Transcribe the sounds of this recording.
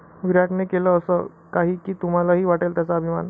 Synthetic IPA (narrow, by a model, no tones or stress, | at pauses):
ʋiɾaʈnekeləːsə | kaɦiːkiːt̪um̤alaɦiːʋaʈelt̪jat͡saəbʱima̰n